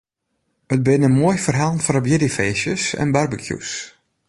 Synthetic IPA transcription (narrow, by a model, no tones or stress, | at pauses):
ət̚bɪnəmoəjfərɦalˠnfɔɾəbjɪdifeːsjəsɛ̰nbarbəkʰjṵs